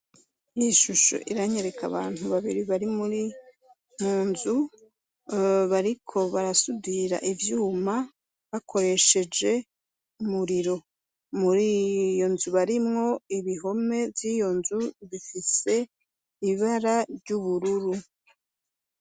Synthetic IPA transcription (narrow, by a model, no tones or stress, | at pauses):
jiʃuʃo̞̰ʔiɾaɲe̞ɾe̞kaβa̰ːn̥huβaβiɾiβaɾimuɾi | ŋuːnzu | βaɾikʰo̞βaɾasudiɾa̰ʔivjuːma | βakʰo̞ɾe̞ʃe̞d͡ʒe̞ | umuɾiɾo̞ | muɾiːjo̞nzuβaɾimŋo̞iβiɦo̞me̞vjijo̞nzuβifise̞ | iβaɾaɾɟuβuɾuɾu